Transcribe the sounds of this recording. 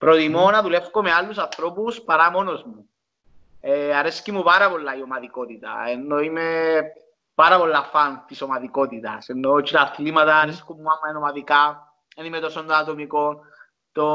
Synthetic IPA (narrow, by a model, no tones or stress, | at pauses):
pɾoðimonaðulefkomealːusaθɾopuspaɾamonozmu | eaɾeskimuβaɾaβolːajomaðikot̪it̪a̰enːojme | paɾaβolːafanθisomaðikot̪it̪a̰senːot͡ʃlaθlimat̪aːɾeskumːuamːaenomaðika | enimet̪osond̪at̪omikon | t̪o